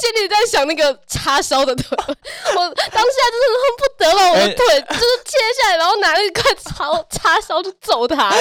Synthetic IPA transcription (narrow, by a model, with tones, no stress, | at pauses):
ɕɛ˥nli˨˩t͡sa˥˩ɪɕjɑ˨˩ŋna˥˩ɡə˩ʈ͡ʂʰa˥ʂɑ˥ʊd̪ə˨t̪ʰe˥˩wɔ˨˩t̪ɑ˥ŋɕja˥˧˩t͡ɕo˥˧˥xə˨˩npu˥˩t̪ɤ˧˥lə˨wɔ˨˩d̪ə˧˥t̪ʰwe˥˩ɪjo˥ʊʂɻ̩˥˩t͡ɕ̪ʰjɛ˥ɕja˥˩ɻa˧˥nxo˥˩ʊna˧˥lə˧i˥kʰwa˥˩ɪʈ͡ʂʰɑ˥ʊʈ͡ʂʰa˥ʂɑ˥ʊt͡ɕʰo˥˩t͡so˨˩ʊt̪ʰa˥